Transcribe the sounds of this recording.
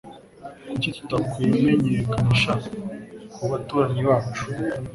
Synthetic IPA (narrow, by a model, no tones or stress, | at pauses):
icit̪u̥takwemeɲeɾekaniʃa | kuβatuːɾaɲeβaːt͡ʃu̥